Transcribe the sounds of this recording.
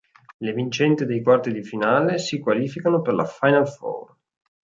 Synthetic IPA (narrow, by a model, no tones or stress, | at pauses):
levint͡ʃɛnt̪id̪ejkwart̪id̪ifinaːlesikwaliːfikanoperla̰fajnalfɔ̰r